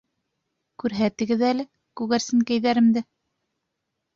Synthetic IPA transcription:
kʉɾɦæt̪ɘ̆ɡɘðælɘ | kʉɣæɾsɘŋkæjðæɾɘ̆md̪ɘ

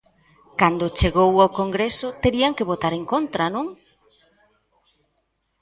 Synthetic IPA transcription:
kand̪ʊt͡ʃeɣowawkoŋɡɾesʊt̪eɾiaŋkeβot̪aɾeŋkont̪ɾanũŋ

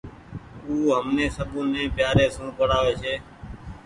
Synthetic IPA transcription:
uːɦəmneːsəbũːnẽːpjaːɾeːsũːpəɽaːʋeːseː

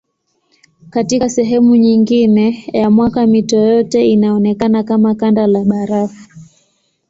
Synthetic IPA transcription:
katiasɛɦɛmuɲiŋɡinɛjamwakamitɔjɔtɛinaɔnɛkanakamakandalaɓaɾafu

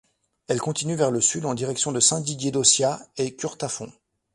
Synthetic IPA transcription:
ɛlkɔ̃t̪inyvɛʁləsyd̪ɑ̃d̪iʁɛksjɔ̃d̪əsɛ̃d̪iɡjed̪osjaekʲyʁt̪afɔ̃

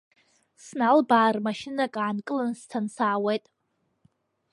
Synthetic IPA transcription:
snalbaːrmaʃɪnakʼaːnkʼɨlɨnstʰansaːwejtʼ

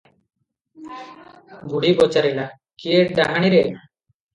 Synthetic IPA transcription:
buɽibɔt͡ʃaɾila | kijeʈ̚ɖaɦaɽ̃iɾɛna

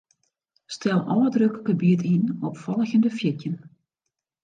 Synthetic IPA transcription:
stʰɛlˠɔ̰lədrøkəkəbitʰinɔpfɔlˠəçəndəfjɪtjən

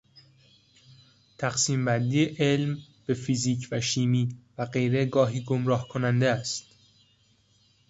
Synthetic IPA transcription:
t̪ʰæxsiːmbænd̪iːeʔelmb̥e̞fiziːcʰvæʃiːmiːvæɢe̞jɾe̞ɡɒːɦiːɡomɾɒːhkʰonænd̪eæst̪

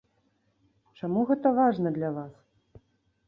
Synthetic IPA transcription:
t͡ʂamuɣɛt̪ɐvaʐnɐd̪lʲavas

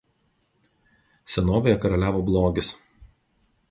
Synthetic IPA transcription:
sʲɛnoːʋʲejɛkɐɾɐlʲæːʋoːblˠoːɡʲɪs

